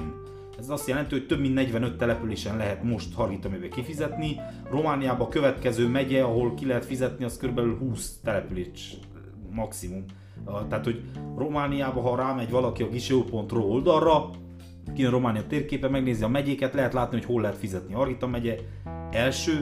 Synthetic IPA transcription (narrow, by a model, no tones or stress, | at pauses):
ɛzɒst̪jɛlɛnt̪ioc̚t̪ø̞bmind̪nɛɟvɛnø̞t̪ːɛlɛpyleːʃɛnlɛɦɛt̪mo̞ʃt̪hɒrɡit̪ɒmɛvɛkifizɛt̪ni | ro̞maːnijaːbɒkø̞vɛt̪kɛzøːmɛɟɛɒɦo̞lkilɛɦɛt̪fizɛt̪niɒskøɾybɛlylɦuːst̪ɛlɛpyleːʃː | ɒksimum | t̪ɛaːt̪ho̞ɟro̞maːnijaːbɒɦɒɾaːmɛɟvɒlɒkiɒɡiʃeoːpo̞nt̪roold̪ɒrːɒ | kijønro̞maːnijɒt̪eːrkeːpɛmɛɡneːziɒmɛɟeːkɛt̪lɛɦɛt̪laːt̪niho̞cholːɛɦɛt̪fizɛt̪nihɒrɡit̪ɒmɛɟɛ | ɛlʃøː